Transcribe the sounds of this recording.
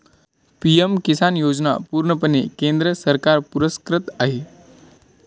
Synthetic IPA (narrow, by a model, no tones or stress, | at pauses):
pijemkisanjod͡zna̰puːɾɳəpənekend̪ɾəsəɾkaɾpuɾəskɾət̪aɦe